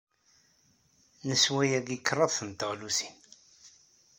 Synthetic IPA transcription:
nəswæjæɡikːrˤɑðθənt̪əʁlusi̥n

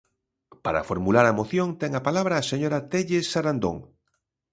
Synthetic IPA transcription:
paɾa̰foɾmulaɾɐmoθjõŋt̪ɛŋapalaβ̞ɾaːseɲoɾat̪eʎesaɾand̪oŋ

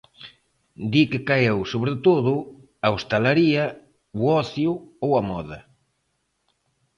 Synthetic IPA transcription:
d̪ikɪkaewsoβɾet̪oðʊ | aost̪alaɾiɐ | wɔθjʊowɐmɔðɐ

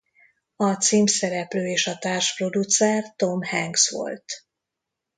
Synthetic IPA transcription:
ɒt̪siːmsɛɾɛpløːeːʃɒt̪aːrʃpro̞d̪ut̪sɛrt̪o̞mhɛŋɡsʋo̞̰lt̪

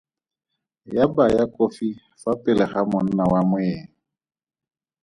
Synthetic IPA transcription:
jabajakʼofi | fapʼɪlɛχamʊn̩nawamʊeː

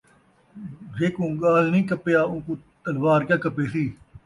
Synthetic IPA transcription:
ʋeːkũːɡaːlnĩːkəpejaːʊ̃ːkũːt̪əlʋaːɾkjãːkəpeːsiː

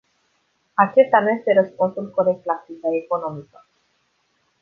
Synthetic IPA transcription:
at͡ʃe̞st̪anuje̞st̪e̞ɾəspunsulkoɾek̚t̪lakitaeko̞no̞mikə

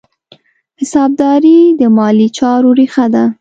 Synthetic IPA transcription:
hɪsɑb̚d̪ɑɾid̪əmɑlit͡ʃɑɾoɾixad̪a

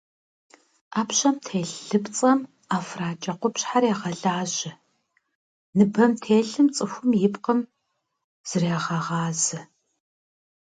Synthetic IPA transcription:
aːpɕɐmtʰeːɬːɨpt͡sʼɐm | aːfraːt͡ʃʼɐqʷʊpɕħarjaːʁɐɮaːʑɪ | nɨbɐmtʰeːɬɨmt͡sʼɨxʷʊmjɪpqəm | z̥ɨreːʁɐʁɑːzɨ

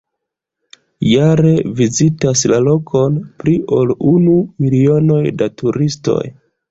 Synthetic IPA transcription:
jaɾe̞vizitaslalo̞kʰo̞npɾiʔo̞lunumilio̞no̞jdatuɾisto̞̰j

